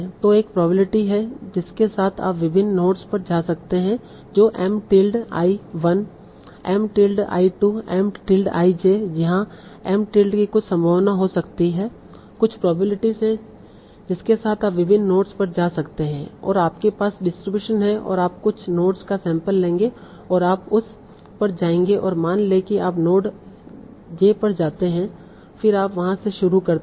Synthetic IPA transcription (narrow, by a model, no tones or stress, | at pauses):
t̪oeːk̚pɾɔːbɪlɪʈiɦɛd͡ʒɪskesaːt̪ʰa̰ːpʋɪbʱɪnːnoːʈspɐɾd͡ʒaːsɐk̚t̪eɦɛ̃ | d͡ʒoːʔɛːmʈɪːlɖa̰ːiʋɐn | ɛːmʈiːlɖa̰ːiʈuɛːmʈɪːlɖa̰ːid͡ʒeːd͡ʒɐɦãɛːmʈiːlɖkikʊt͡ʃʰsɐ̃mbʱəːʋnaɦosɐkt̪iɦɛː | kʊt͡ʃʰpɾɔːblɪʈizɦɛ̃ | d͡ʒɪskesaːt̪ʰaːpʋɪbʱɪnːoːʈspɐɾd͡ʒaːsɐkt̪eɦɛ̃ɔ̰ːɾaːpkepaːsɖɪsʈɾɪbjuːʃənɦɛ̃ʔɔ̰ːɾaːpkʊt͡ʃʰnoːʈskasɛ̃ːmpəlːẽːŋɡe | ɔːɾaːpʊs | pɐɾd͡ʒaːẽːŋɡeʔɔːɾmaːnlekiaːpnoːʈ | d͡ʒeːpɐɾd͡ʒaːt̪eɦɛ̃ | fɪɾaːpʋɐɦãseʃʊɾukɐɾ